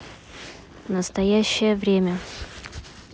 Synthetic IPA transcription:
nəst̪ɐjæɕːɪjəvɾʲemʲə

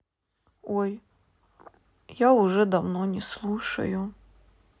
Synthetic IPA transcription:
ɔj | jaʊʐɛd̪ɐwnɔnʲɛslˠuʂɐ̰jʊ

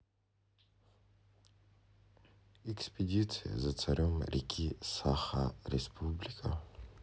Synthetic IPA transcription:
ɛkspʲedʲit̪sʰɨja̰zat͡sʰaɾʲʔomɾʲikʲʰisaχaɾʲespʰublʲikʼa

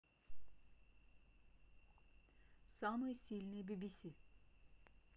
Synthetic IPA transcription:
samɯjsilʲnebibisi

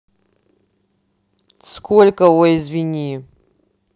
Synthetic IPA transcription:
skʰolʲkəoɪzvʲinʲi

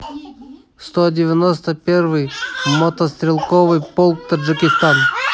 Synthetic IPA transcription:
st̪odʲɪvʲɪnost̪əpʲervɨjmot̪əst̪ɾʲɪlˠkovɨjpolˠk̚t̪ɐʐɨkʲɪst̪an

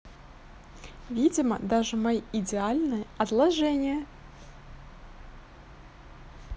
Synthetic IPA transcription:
vʲidʲɪmə̰d̪aʐɨmajidʲɪalʲnɨjəɐt̪lˠɐʐɛnʲɪjə

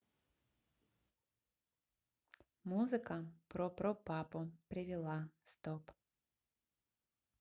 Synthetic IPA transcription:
muzɨkɐpɾɔpɾɔpapʊpɾʲɪvʲɪlˠast̪ɔp

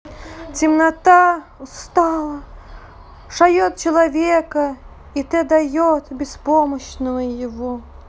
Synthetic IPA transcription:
t͡sʲimnat̪awst̪alˠɐ | ʂajɔt̪̚t͡ɕɐlˠavʲɛkɐ | it̪ɛd̪ajɔt̪bʲɛspɔmɐɕnɐvɐjɪvɔ

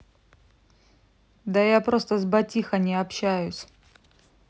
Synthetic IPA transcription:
d̪ɐjapɾost̪əzbɐtʲixɐnʲɪɐpɕæjʊsʲ

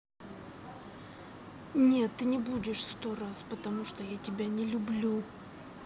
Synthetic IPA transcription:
nʲe̞t̪ːɨnʲɪbudʲɪʂst̪o̞raspət̪ɐmuʂt̪ojatʲɪbʲanʲɪlʲʊblʲu

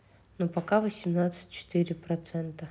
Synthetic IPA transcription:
nopɐkavəsʲɪmnat̪sɨ̥tʲt͡ɕɪ̥t̪ɨɾʲɪpɾɐt̪sɛnt̪ə

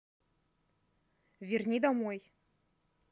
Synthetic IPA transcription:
vʲirnʲid̪ɐmoj

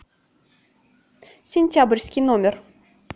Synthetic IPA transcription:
sʲenʲtʲabrʲsʲkʲinomʲer

